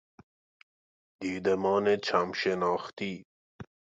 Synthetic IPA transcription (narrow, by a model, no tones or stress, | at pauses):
d̪iːd̪ɐmɔːnet͡ɕʰamʃenɑːxt̪i